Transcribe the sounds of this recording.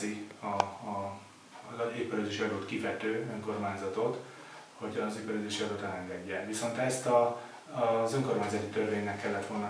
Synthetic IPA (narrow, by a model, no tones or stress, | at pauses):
iɒ | eːpːøɾløːzeːʃiɒloːt̪kifɛt̪øːø̞ŋko̞rmaːɲzɒt̪o̞t̪ | ho̞ɟɒzeːpøɾløːzeːʃiɒløːt̪ɛlɛŋɡɛɟːɛnʋiso̞nt̪ɛst̪ɒ | zøŋko̞rmaːɲzɒt̪it̪ørveːɲːɛkːɛlːɛt̪ʋo̞lnɒ